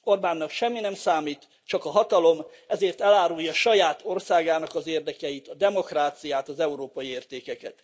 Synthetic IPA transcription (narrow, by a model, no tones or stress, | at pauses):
o̞rbaːnːɒkʃɛmːinɛmsaːmiːt̪ | t͡ʃɒkɒɦɒt̪ɒlo̞m | ɛzeːrt̪ɛlaːɾujːɒʃɒjaːt̪ʰo̞rsaːɡaːnɒkɒzeːrd̪ɛkɛjit̪ɒd̪ɛmo̞kraːt̪sijaːt̪ɒzɛuɾoːpɒjieːrt̪eːkɛkɛt̪